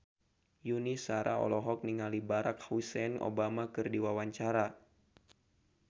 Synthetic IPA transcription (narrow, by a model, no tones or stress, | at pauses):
junisaɾʔa̰ɔ̰lɔɦɔk̚niŋalibaɾak̚husɛno̰bamakɨrdiwawaɲt͡ʃaɾa